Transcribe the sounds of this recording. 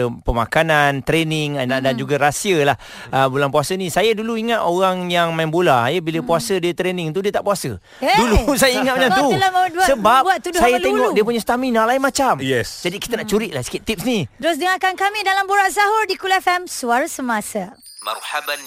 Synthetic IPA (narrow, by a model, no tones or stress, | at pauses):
əpəma̰kanant̪ɾenɪŋadand͡ʒuɡaɾasiəlah | ʔəbulanpuasənĩsajəduluiŋat̪oɣaŋjaŋmaimbolajəbiləpuasədiət̪ɾenɪ̃ŋt̪udiət̪aʔpuasə̰ | dulusajəiŋat̪̚mənaŋt̪ulamaduasəbapat̪udsajət̪eŋɔʔkdiəp̬uɲəst̪amĩnãlainmat͡ʃamjɛsd͡ʒadiki̥t̪ənaʔt͡ʃuɾiʔlahsə̥kit̪ip̚snidɾos̬dəŋakankamĩdalamboɾaʔsaɦɔrdikulɛfɛmsuaɾasəmasa | maɾhab